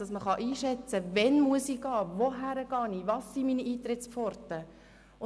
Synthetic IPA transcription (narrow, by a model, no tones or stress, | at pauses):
ɑsməχɑʔiːʃɛt͡səvɛnmuəsiɡ̥ɑːvoɦæɾəɡ̥ɑːniʋɑsːiminiiːt̪ɾɪt͡spfɔɾt̪ə | ʊ